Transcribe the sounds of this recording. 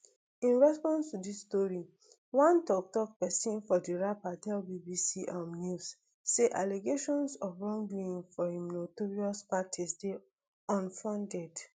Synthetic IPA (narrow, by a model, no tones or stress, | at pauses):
ĩnɹɛspɔ̃nstudistɔɹi | wãntɔk̚tɔk̚pɛsĩnfɔdiɹapadɛlbibisiʔamnus | seʔaleɡeʃɔ̃nsɔfɹɔ̃ŋɡĩĩŋfɔimnotoɹiɔspatʰisde | ɔ̃nfɹɔ̃ndɛd